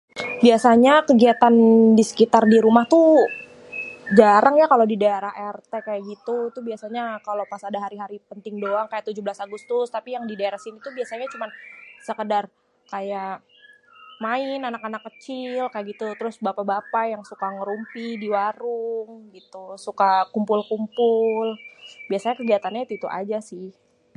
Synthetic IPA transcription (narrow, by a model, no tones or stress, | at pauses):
biasaɲakəɡiat̪andisə̥kit̪ardiɾumaht̪u | d͡ʒaɾaŋjakalodidaeɾaɦɛrt̪ekajaʔɡit̪ut̪ubiasaɲakalopasadaɦaɾiɦaɾipənt̪ɪŋdoaŋkajaʔt̪ud͡ʒublasaɡust̪ʊst̪apijaŋdidaeɾahsinit̪ubiasaɲat͡ʃumansəkədar | kaja | maɪnanakanakːət͡ʃɪlkajaʔɡit̪ut̪əɾʊsbapabapajaŋsukaŋəɾumpidiwaɾʊŋɡit̪usukakumpʊlkumpʊlbiasaɲakəɡiɦat̪anɲat̪it̪uʔa̰d͡ʒasɪh